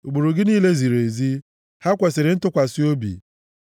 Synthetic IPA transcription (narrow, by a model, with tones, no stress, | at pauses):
u˨ɡ͡bu˨ɾu˨ɡɪ˦niː˦le˦zi˨ɾe˨zi˦ | ha˦kʷe˨sɪ˨ɾɪ˨n̩˦tʊ˦kʷa˨sɪ˦o˦bḭ˨